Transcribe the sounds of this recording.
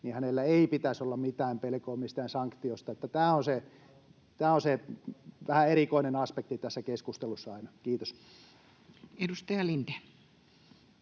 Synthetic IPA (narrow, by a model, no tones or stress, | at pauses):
niːhænelːæeipit̪æsolːɑmmit̪æːmpelkoːmist̪æːnsɑŋkt̪iost̪ɑet̪ːæt̪æːonse | t̪æːonseʋæhæeɾikoinenɑspek̚t̪it̪æsːækeskust̪elusːɑɑinɑkiːt̪os | edust̪ɑjɑlint̪e